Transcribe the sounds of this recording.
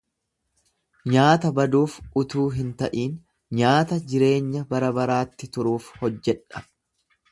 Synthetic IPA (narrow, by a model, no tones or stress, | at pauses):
ɲaːt̪ɐbɐd̪uːfʊt̪uːɦɪnt̪ɐʔiːn | ɲaːt̪ɐd͡ʒɪɾe̞ːɲːɐbɐɾɐbɐɾaːt̪ːɪt̪ʊɾuːfhɔd͡ʒːɛᶑɐ̥